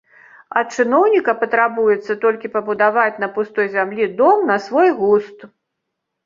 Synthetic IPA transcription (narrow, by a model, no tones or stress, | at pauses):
ɐt̪̚t͡ʂɨnɔwnʲikɐpɐt̪ɾabujɛt̪sːɐt̪ɔlʲkʲipɐbud̪avat͡sʲn̪ɐpust̪ɔjzʲamlʲid̪ɔmnɐsvɔjɣust̪